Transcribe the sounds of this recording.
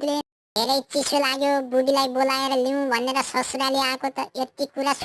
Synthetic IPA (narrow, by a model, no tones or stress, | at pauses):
le | d̪ʱeɾʌjt͡sisolaɡjobuɽilajbolaeɾʌliw̃bʱʌneɾʌsʌsɾaleakot̪ʌet̪ikuɾas